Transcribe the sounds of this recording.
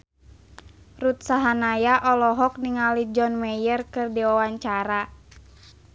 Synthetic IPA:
rut̪̚saɦanajaʔɔlɔɦɔk̚niŋalid͡ʒɔnmɛjərkɨrdiwawaɲt͡ʃaɾa

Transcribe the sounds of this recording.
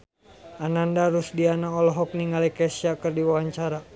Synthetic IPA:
anandaɾusdianaɔlɔɦɔk̚niŋalikɛsiakɨrdiwawaɲt͡ʃaɾa

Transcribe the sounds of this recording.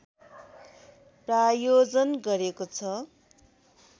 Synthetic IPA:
prajod͡zʌnɡʌɾekot͡sʰʌ

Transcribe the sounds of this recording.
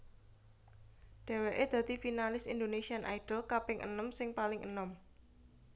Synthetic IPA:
ɖ̥ɛ̤weʔed̪̥ä̤t̪ifinalɪsind̪onesianʔa̰iɖ̥əlkapɪŋʔə̰nəmsɪŋpalɪŋʔə̰nəm

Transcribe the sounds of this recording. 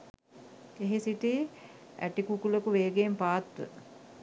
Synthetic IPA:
eɦesiʈi | æ̰ʈikukuləkuʋeːɡeːmpaːt̪ʋə̰

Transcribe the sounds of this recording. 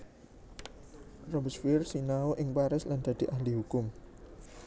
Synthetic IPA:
rɔbəsfirsinaoʔɪŋpaɾɪsland̪̥ä̤d̪̥i̤ʔahliɦukʊm

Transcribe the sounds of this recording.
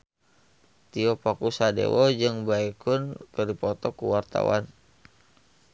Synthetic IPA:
t̪iɔpakusadḛwɔd͡ʒɨŋbaikʊnkədipɔt̪ɔkuwart̪a̰wa̰n

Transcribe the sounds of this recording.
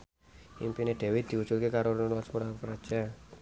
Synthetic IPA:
ḭmpineɖ̥e̤wɪt̪̚d̪i̤ud̥t͡ʃulkekaɾonlɔspuɾapɾad̥ʒ̥a

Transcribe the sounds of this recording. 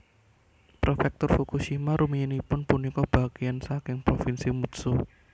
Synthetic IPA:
pɾofɛk̚t̪ʊrfukuʃimaɾʔumiinipʊnpunikɔb̥akiansakɪŋpɾofɪnsimut̪su

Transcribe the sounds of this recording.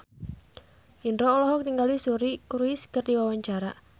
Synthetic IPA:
indɾɔːlɔɦɔk̚niŋɡalisuɾikuɾuɪskərdiwawaɲt͡ʃaɾa

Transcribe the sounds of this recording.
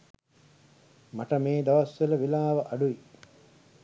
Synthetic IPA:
maʈɐmeːd̪ɐʋɐsʋelɐʋilaːʋɐʔɐɖuʋi

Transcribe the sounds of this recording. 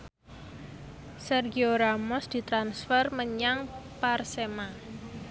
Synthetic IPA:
sɛrɡioɾamɔsd̪̥i̤t̪ɾansfərməɲaŋparsema

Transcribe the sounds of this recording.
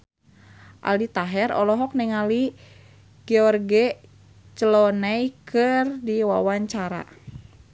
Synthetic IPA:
ʔa̰lit̪aɦɛɾɔ̰lɔɦɔk̚nɛŋali | ɡ̥ɛɔrɡɛ | t͡ʃəlɔnaikʰɨrdiwawaɲt͡ʃaɾa̰

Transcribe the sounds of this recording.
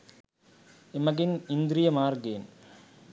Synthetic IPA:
ɪmɐɡɪnɪnd̪ɾɪjɐmaːɾɡeːn

